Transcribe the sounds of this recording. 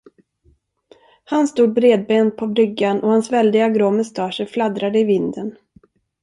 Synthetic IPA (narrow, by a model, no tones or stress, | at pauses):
hanst̪uːd̪̚bɾeːd̪̚beːn̚pʰɔbɾʏɡːanɔhansvɛld̪ɪɡaɡɾoːmɛst̪ʰɑːʂəɾflad̪ɾad̪əɪvɪnd̪ən